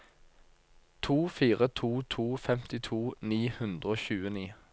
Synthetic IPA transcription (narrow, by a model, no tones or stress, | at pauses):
t̪ʰuːfiːʁət̪ʰuːt̪ʰuːfɛmt̪ɪt̪ʰuːniːhʉnd̪ʁəoːçʉːəniː